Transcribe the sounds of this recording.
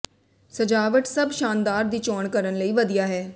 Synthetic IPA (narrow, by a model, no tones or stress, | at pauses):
səd͡ʒaːʋəʈsəbʃaːnd̪aːɾd̪iːt͡ʃɔːɳkəɾənləiːʋəd̪ijaːɦɛː